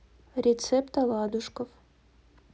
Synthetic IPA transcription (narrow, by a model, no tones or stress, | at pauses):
ɾʲɪt̪sɛpt̪ɐlˠɑd̪ʊʂkəf